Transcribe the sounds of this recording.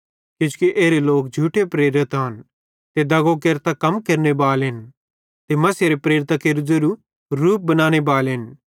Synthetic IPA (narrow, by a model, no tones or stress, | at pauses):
kɪt͡ʃu̥kiʔeːɾeloːk̚d͡ʒʱuːʈepɾeːɾɪt̪ɦɐn | t̪ed̪ɐɡokeɾt̪akɐmkɐɾnebaːlɦɪn | t̪emɐsjeɾepɾeːɾɪt̪akeɾd͡zeɾu | ɾuːp̚bɐnaːñebaːlɦɪn